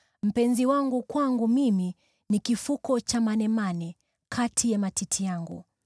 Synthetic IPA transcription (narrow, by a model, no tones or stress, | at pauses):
m̩pɛnziwaŋɡukwaŋɡumimi | nikifukɔt͡ʃamanɛmani | kʰatʰijamatitʰijaŋɡṵ